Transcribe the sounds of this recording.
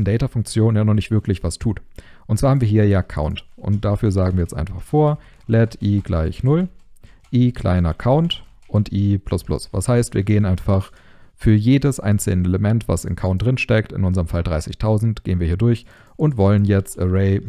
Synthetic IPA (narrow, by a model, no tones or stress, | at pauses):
n̩dɛɪtafʊŋk̚t͡sjoːnənjaːnɔχnɪçtv̥ɪɐklɪçv̥astʰuːt | ʔʊntt͡ssaːɐhaːmviːɐɦiːɐkʰa̰ʊntʔʊ̰nt̚d̥afyːɐzaːɡŋ̩viɐjɛt͡stʔa̰ɪnfaχfoːɐ | lɛtʔiːɡlaɪçnʊlʔiːkʰl̥a̰ɪnɐkʰaʊnt | ʔʊntʔiːpʰl̥ʊsplʊ̰sv̥a̰shaɪstv̥iːɐɡeːənʔaɪnfaχ | fyːɐjeːdəsʔa̰ɪnt͡sl̩nəeləmɛntv̥a̰sɪ̰mkʰaʊnt̚d̥ʁɪnʃtɛktɪ̰nʊnzɐʁəmfaldʁaɪsɪçtʰaʊzn̩tɡ̥eːənviɐhiːɐdʊɐç | ʔʊntv̥ɔlənjɛt͡stəʁɛɪ